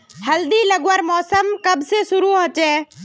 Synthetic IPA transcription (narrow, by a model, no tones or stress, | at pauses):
həld̪iləɡwəɾmɔːsəmkɐbsesʊɾuɦot͡ʃɛː